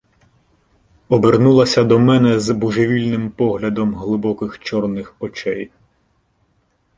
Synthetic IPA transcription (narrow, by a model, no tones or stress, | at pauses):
ɔbernulˠɐsʲɐd̪ɔmɛnɛzbuʒeʋʲilʲnɪmpɔɦlʲɐd̪ɔmɦlˠɪbɔkɪxt͡ʃɔrnɪxɔt͡ʃɛj